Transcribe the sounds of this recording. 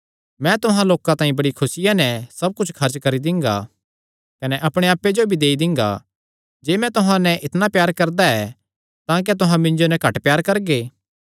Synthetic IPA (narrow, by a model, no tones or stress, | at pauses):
mɛ̃t̪ʊɦãloːkãt̪ãːĩbɐɽikʰʊsɪjãnɛsɐb̚kʊt͡ʃʰkʰɐɾt͡ʃkɐɾid̪ɪ̃ŋɡa̰ | kɐnɛʔɐpɽ̃eaːpːed͡ʒobʱid̪eːid̪ɪ̃ŋɡa̰ | d͡ʒeːmɛ̃t̪ʊɦãnɛʔɪt̪napjaːɾkɐɾd̪aɛ | t̪ãːk̬et̪ʊɦãmɪ̃nd͡ʒonɛkɐʈpjaːɾkɐɾɡeː